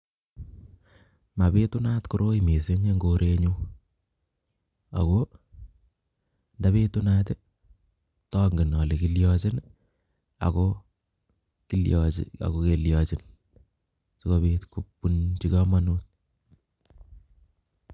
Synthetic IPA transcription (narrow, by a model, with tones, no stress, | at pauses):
ma˨pe˦tʊ˦na˦tkʊ˦ɾo˦ime˨se˦ɲe˦ŋɡoɾʔe˦ɲu˦ | a̰˨ko | nda˦βe˦tu˦natɪ˦ | tɔ˦ŋɡɪ˨nɔ˨le˨kiljɔt͡ʃɪ˦n | a̰˨ko | kiljɔɪ̰a̰˨ko˦ke˨ljɔt͡ʃɪ˦n | sɪ˦ko˦bi˦tku˦pːunt͡ʃi˦kamanu˦t̚